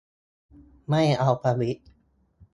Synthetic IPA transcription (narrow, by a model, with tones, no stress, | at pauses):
ma˥˩jʔa˧wpa˧wi˦˥t̪̚